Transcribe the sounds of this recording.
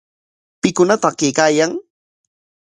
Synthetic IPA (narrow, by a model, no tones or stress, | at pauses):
pɪkʊnat̪ɑkejkaːjaŋ